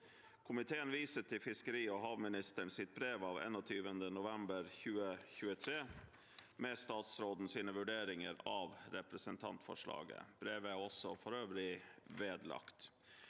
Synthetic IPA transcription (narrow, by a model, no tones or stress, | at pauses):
kʰʊmɪt̪ʰeːənʋiːsət̪ʰːɪlfɪskəɾiːɔɦɑːʋmɪnɪst̪əɳsɪt̪̚bɾeːʋɑːʋḛːnɔt̪ʰyːʋənd̪ənʊʋɛmbəɾçʉːəçʉːət̪ʰɾeː | mɛst̪ɑːt̪sɾoːd̪n̩siːnəʋʉɖeːɾɪŋəɾɑːʋɾɛpɾəsənt̪ʰɑ̰nt̪fɔ̰ʂɭɑ̰ːɡə̰b̥ɾeːʋəæɔsɔfɔɾøːʋəɾɪʋeːd̪lɑ̰kt̪